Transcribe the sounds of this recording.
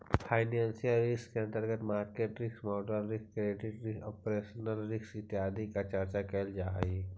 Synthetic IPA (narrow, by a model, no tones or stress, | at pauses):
fʰaːɪnaːnsijaɾɪskːeɐ̃nt̪əɾɡət̪maːɾkeːʈɾɪksmɔːɖəɾɾɪkskɾeːɖɪɖɾɪkɔːpɾeːʃənəlɾɪksɪt̪ːɪɦaːd̪ʱikat͡ʃəɾt͡ʃakɛld͡ʒaːi